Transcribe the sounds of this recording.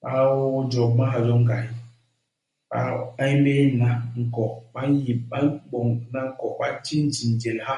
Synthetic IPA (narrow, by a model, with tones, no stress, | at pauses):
ɓa˦wo˦d͡ʒɔ˨ma˦ɦa˨zɔ˦ŋ˦ɡa˨i˦ | a̰˨a˦jm˦be˦na˨ŋ̩˨kɔ˨ɓa˦ji˨ɓa˦ɓɔ˨ŋna˦ŋ̩˦kɔ˨ɓa˦t͡ʃi˦n̩˦d͡ʒi˨n˨d͡ʒe˨lha˦